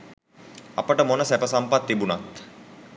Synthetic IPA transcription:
a̰pəʈəmonəsæpəsampat̪ːibunat̪

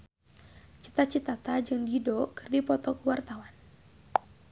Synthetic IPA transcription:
t͡ʃi̥t̪at͡ʃit̪at̪ad͡ʒɨŋdidɔkɨrdipɔt̪ɔkuwart̪awan

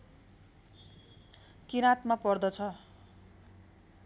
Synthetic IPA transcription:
kiɾat̪mapʌrd̪ʌt͡sʰʌ

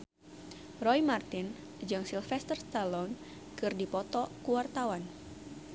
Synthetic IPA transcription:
rɔjmart̪in | d͡ʒɨŋsilfɛst̪ərst̪alɔn | kɨrdipɔt̪ɔkuwart̪awan

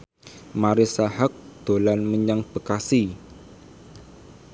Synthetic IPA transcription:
maɾisahak̚d̪̥olanməɲaŋb̥əkasi

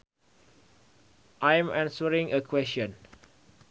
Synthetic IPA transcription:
ʔãj̃mãnsəɹĩŋəkʰwɛsə̃n

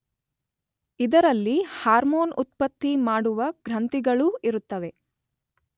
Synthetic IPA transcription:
id̪ɐɾɐlːihaːɾmoːnut̪̚pɐt̪ːimaːɽuʋɐɡ̥ɾɐnt̪iɡɐɭuiɾut̪ːɐʋe̞

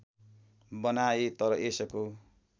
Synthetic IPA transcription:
bʌnajet̪ʌɾʌʔesʌko

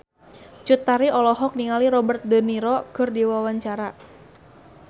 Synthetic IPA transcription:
t͡ʃut̪ːaɾiɔlɔɦɔk̚niŋaliɾɔbərt̪̚d̪əniɾɔkɨrdiwawaɲt͡ʃaɾa

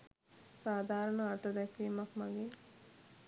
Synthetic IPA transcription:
saːd̪ʱaːɾɐɳɐat̪ɐd̪ɛkːeːmɐkmaɡeː

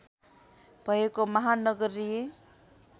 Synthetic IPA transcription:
b̥ʱʌekomʌɦanʌɡʌɾije

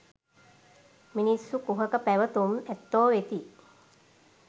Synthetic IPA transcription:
minisːukuɦəkəpæʋət̪umæt̪ːoːʋet̪i

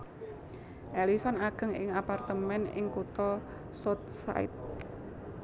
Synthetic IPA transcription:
ʔɛlisɔnaɡ̥ə̤ŋɪ̰ŋapart̪əmɛnɪ̰ŋkut̪ɔ | sɔt̪̚sa̰ɪ̰t̪̚

